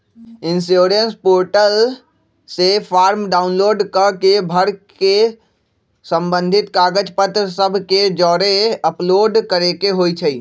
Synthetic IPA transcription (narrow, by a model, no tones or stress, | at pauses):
ɪ̃nsoːɾənspoːɾʈəl | sepʰaːɾmɖaːʊnloːɖkəɾkebʱəɾke | sə̃mbə̃nd̪ʱɪt̪kaːɡəd͡ʒpət̪ɾəsəbʱked͡ʒɔːɾeɐploːɖkəɾekeɦoːit͡ʃʰɐiː